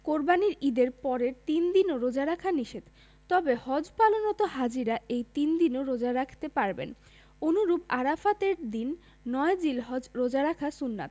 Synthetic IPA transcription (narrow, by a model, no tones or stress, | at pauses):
koɾbaniɾid̪eɾpɔɾeɾt̪ind̪inoɾod͡ʑaɾakʰaniʃed̪ | t̪ɔbehɔd͡ʑpalonɔt̪oɦad͡ʑiɾaʔejt̪ind̪inoɾod͡ʑaɾakʰt̪epaɾbḛn | onuɾubaɾafat̪eɾd̪inː | ɔed͡ʑilɦɔd͡ʑɾod͡ʑaɾakʰasunːa̰t̪